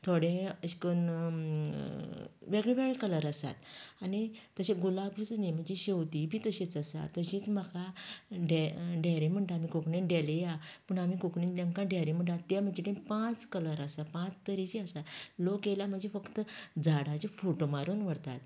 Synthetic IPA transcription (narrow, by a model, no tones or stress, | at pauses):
t̪ʰoɽẽəɕkən | ʋeɡɭeʋeɡɭekələɾəsa̰t̪anit̪əɕẽɡulabut͡snẽm̤əɳd͡ʑeɕewt̪ibʱiːt̪əɕit͡səsa̰t̪ːəɕit͡sm̤akaɖeɖʱaɾem̤əɳʈaamikokɳĩɖelejapəɳamikokɳĩnt̪ãŋkãɖʱaɾẽm̤əɳʈat̪ːjam̤əd͡ʑeʈẽpãt͡skələɾasapãt͡st̪əɾiɕiəsat̪lokjelam̤əɳd͡ʑefəkt̪əd͡zaɽat͡ɕifoʈomaɾuːnʋəɽt̪a̰t̪̚